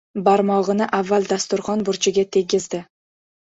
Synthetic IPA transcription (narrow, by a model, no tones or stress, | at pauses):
baɾmɒʁɨnɪʔavːalˠd̪ast̪ʊɾχɒnbʊɾt͡ʃʰɪɡʲat̪ʰe̞ɡʲɪzd̪ɪ